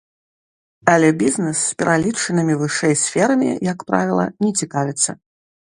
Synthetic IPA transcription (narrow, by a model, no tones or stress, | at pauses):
ɐlʲɛbʲiznɛsːpʲɛɾalʲit͡ʂɨnɨmʲivɨʂɛjsʲfʲɛɾɐmʲḭjakpɾa̰vʲilˠɐ̰nʲɛt͡sʲikavʲɪt̪sːɐ̰